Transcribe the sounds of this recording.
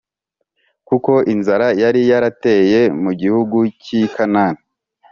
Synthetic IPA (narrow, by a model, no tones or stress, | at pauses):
kuko̞ʔinzaɾajaɾijaɾate̞je̞muɟihuɡucikanani